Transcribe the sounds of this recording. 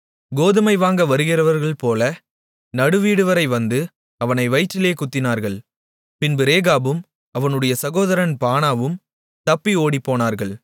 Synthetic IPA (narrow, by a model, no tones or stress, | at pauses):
ɡoːðɯmɐɪʋaːŋɡɐʋɐɾɯɣɪrɐʋɐɾɣɐɭpoːlɐ | nɐɽɯʋiːɽɯʋɐɾɐɪʋɐnd̪ɯ | ɐʋɐnɐɪʋɐɪʈːɪleːkʊt̪ːɪnaːɾɣɐɭ | pɪnbɯɾeːɣaːbɯm | ɐʋɐnɯɽɐjɐsɐɣoːðɐɾɐnpaːnaːʋɯm | t̪ɐpːioːɽipːoːnaːɾɣɐɭ